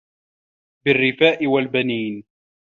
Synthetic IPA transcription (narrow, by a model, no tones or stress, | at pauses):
bɪrːɪfaːʔɪwalbaniːn